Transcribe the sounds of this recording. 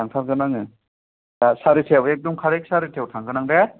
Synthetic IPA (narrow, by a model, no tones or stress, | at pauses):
aŋtʰaɾɡɯnaŋɯ | asaɾitʰewek̚dɔmkʰaɾek̚saɾitʰewtʰaŋɡɯnaŋde